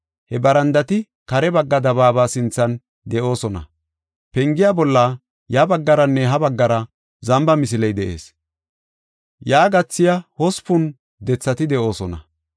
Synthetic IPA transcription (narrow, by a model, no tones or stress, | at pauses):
hɛbɐɾɐnd̪ɐt̪ɪ | kɐɾɛbɐɡːɐd̪ɐβaːbaːsɪnt͡sːɐn | d̪ɛʔo̞ːsɔnɐ̰ | pɛŋɡɪjaːbɔlːa | jɐbɐɡːɐɾɐnːɛɦɐbɐɡːɐɾɐ | zɐmbɐmɪs̬ɪlɛjd̪ɛʔe̞̰ːs | jaːɡɐt͡sːɪjɐhɔspʊn | d̪ɛt͡sːɐt̪ɪd̪ɛʔo̞ːsɔnɐ̰